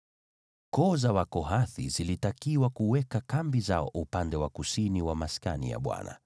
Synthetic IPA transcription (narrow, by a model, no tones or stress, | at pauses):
kɔzawakɔɦaθizilitakiwakuwɛkakambizaɔʔupandɛwakusiniwamaska̰nḭja̰ɓwa̰na̰